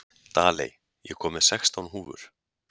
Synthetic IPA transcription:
t̪aːlḛj | jɛkʰɔːmɪ̥sɛkst̪awnɦuːvʏ̰ɾ̥

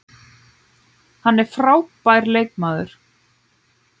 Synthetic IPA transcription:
hanːɛɾ̥fɾaːwpajɾleːjkmaːðʏ̰ɾ̥

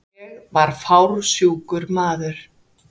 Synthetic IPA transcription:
vaɾ̥fawɾsjuːwkʏɾmaːðʏɾ̥

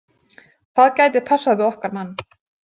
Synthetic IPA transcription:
θaðcaːjt̪ɪɾ̥pʰasːaðvɪðɔhkaɾmanː

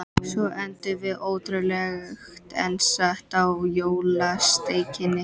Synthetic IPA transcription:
sɔʔɛnt̪ʏvɪðoːwt̪ɾʏlɛɣxt̪ɛ̰nsaht̪awjoːwlast̪eːjcɪnːɪ

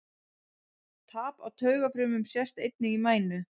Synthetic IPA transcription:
t̪ʰaːpa̰wt̪ʰœːɥɣafɾʏːmʏmsjɛst̪ejt̪̚nɪɣimaːjnʏ

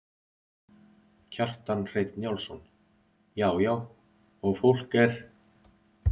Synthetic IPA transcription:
cʰar̥t̪anr̥eːjt̪njawlsɔn | jaːwjaːw | ɔɣfowl̥kɛɾ̥

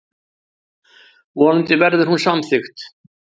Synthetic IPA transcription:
vɔːnʏnt̪ɪvɛɾðʏɾ̥hunsamθʏxt̪

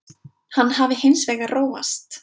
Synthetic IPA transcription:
hanːɦavɪhɪnsvɛːɣaroːwva̰st̪

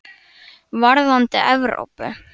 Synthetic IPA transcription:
vaɾðant̪ɪ̰ʔɛvɾo̰wpʏ̰

